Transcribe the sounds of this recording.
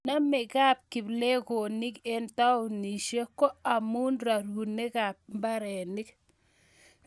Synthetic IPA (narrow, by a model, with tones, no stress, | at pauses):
na˦mɛ˨ka˦p̚kɪ˨ble˦ko˨nɪ˦ke˦nta˦ʊ˨ni˨ʃe˦kɔ˦a˨mu˦nɾa˨ɾu˨ne˦ka˨p̚mba˦ɾɛ˨nɪ˦k